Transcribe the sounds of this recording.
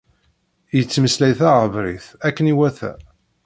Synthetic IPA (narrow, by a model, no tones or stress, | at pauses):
jət͡sːməslæjθæʁəvɾiθækːəniwæθæ̰